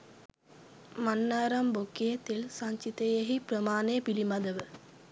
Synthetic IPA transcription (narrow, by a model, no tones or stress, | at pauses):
manːaːɾɐmbokːijɐt̪ilsaɲt͡ʃit̪ɐjeɦiprəmaːnepilimɐd̪ɐʋə